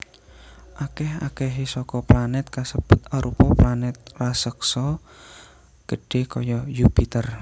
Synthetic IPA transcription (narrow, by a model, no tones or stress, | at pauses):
ʔakɛha̰kɛɦisɔkɔplanɛt̪̚kasəb̥ʊt̪aɾupɔplanɛt̪̚lasəksɔ | ɡ̥əɖ̥e̤kɔjɔjupit̪ər